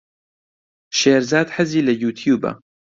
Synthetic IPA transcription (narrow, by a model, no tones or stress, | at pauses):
ʃeːɾzaːd̪ħɐziːlɐjuːt̪ʰjuːbɐ̰